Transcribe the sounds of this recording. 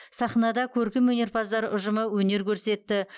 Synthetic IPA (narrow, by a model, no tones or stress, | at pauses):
sɑχnɑd̪ɑkʲʰɵɾkʲɪmwɵne̞rpʰɑzd̪ɑɾʊʒəməwɵne̞ɾkʲʰɵɾse̞t̪ːɪ